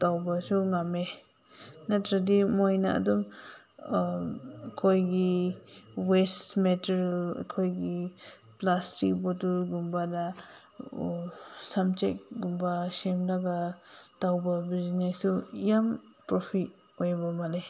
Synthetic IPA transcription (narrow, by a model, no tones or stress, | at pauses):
tawbɐsuŋame | natɾadimojna̰a̰duŋ | kʰojɡi | wesmeteɾ̰kʰojɡi | plastik̚botulɡumbada | samt͡ʃḛk̚ɡumbasemlaɡatawbɐbiznesujampɾopʰit | ojbɐmale